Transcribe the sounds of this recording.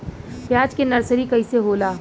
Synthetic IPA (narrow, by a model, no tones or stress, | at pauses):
pjaːd͡ʒkenɐɾsəɾikɐiseɦoːlaː